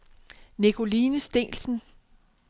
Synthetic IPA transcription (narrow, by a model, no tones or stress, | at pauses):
nikʰo̝liːnəsd̥e̝̰ːlsn̩